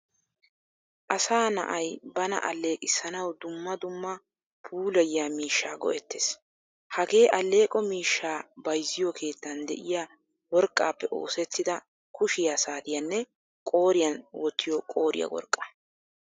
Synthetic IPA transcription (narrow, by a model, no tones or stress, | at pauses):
ʔɐsaːnɐ̰ʔɐjbɐnɐ̰ʔɐlːe̞ːkʼɪsːɐnɐwd̪ʊmːɐd̪ʊmːɐ | pʰuːlɐjjaːmiːʃːaːɡɔ̰ʔɛt̪ːeːs | hɐɡe̞ːʔɐlːe̞ːkʼɔmiːʃːaːbɐjzːɪjɔkʰe̞ːt̪ːɐnd̪ɛ̰ʔɪja | wɔɾkʼːa̰ːpːɛʔo̞̰ːsɛt̪ːɪd̪ɐ | kʊʃɪjaːsaːt̪ɪjɐnːɛ | kʼo̞ːɾɪjɐnwɔt̪ːɪjɔkʼoːɾɪ̰jɐ̰wɔ̰ɾkʼːɐ̥